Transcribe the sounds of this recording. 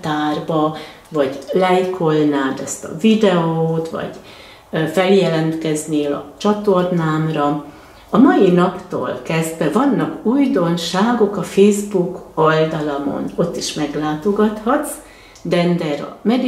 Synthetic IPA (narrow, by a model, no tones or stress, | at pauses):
t̪aːrbɒ | vɒɟlɛjkʰolnaːd̪ɛst̪ɒ̰vid̪ɛoːt̪vɒ̰ɟ̥ | fɛljɛlɛnt̪kɛzneːlɒ̰t͡ʃɒt̪o̞rnaːmrɒ | ɒmɒjinɒpt̪o̰ːlkɛzd̪ʋɛvɒnːɒkuːjd̪o̞nʃaːɡo̞kɒfeːzbukold̪ɒlɒmo̰no̞t̪ːiʃmɛɡlaːt̪o̞ɡɒt̪hɒt̪s | d̪ɛnd̪ɛɾɒ̰mɛd̪